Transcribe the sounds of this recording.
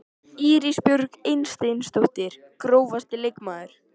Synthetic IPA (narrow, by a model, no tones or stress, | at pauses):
iːɾispjʏɾkejnst̪ejnst̪owht̪ɪɾ̥ | kɾoːwvast̪ɪlejkmaːðʏɾ̥